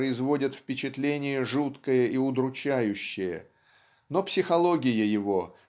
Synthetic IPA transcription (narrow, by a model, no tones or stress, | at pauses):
əɪzvo̞dʲət̪fpʲɪt͡ɕɪt̪lʲenʲɪjəʐut̪kəjəʔiʊd̪ɾʊt͡ɕæjʉɕːɪjə̰ | no̞psʲɪxɐlˠo̞ɡʲɪjəjɪvo